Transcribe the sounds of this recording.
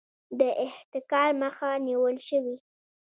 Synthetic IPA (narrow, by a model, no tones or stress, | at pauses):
d̪əʔɪht̪ɪkɑɾməxaniwəlʃəwi